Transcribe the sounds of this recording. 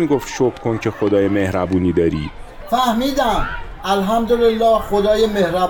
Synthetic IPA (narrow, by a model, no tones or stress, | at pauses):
iɡoft̪ʃokkʰoncʰexod̪ɒːjemehɾæbuːniːd̪ɒːɾḭ̥ː | fæhmiːd̪æm | ælɦæmd̪olelːɒːhxod̪ɒːjemehɾæb